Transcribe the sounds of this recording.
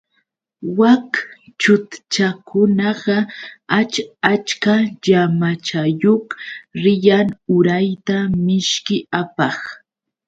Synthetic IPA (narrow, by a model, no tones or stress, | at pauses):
wakt͡ʃʊt̪t͡ʃakʊnɑɢɑat͡ʃat͡ʃkaʎamat͡ʃajoχɾɪjaŋʊɾajt̪amɪʃkɪapɑχ